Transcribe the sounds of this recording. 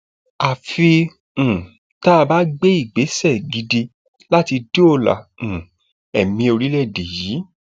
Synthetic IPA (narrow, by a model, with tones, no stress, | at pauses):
a˨fi˧ | ũ˨ | ta˦˧ba˦ɡ͡be˦i˦˨ɡ͡be˨˦sɛ˦˨ɡi˧de˧ | la˦ti˧do˦o˦˨lã̰˨ | ɛ˨mĩ˧o˧ɾi˦lɛ˦˨de˨jiː˨˦